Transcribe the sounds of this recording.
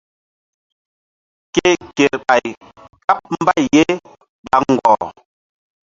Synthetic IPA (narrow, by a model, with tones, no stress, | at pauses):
ke˦˨ke˨ɓa˨j | ka˦p̚m̩˦ba˦˨jje˦ | ɓa˨ŋ̩˨ɡwɔ̰˨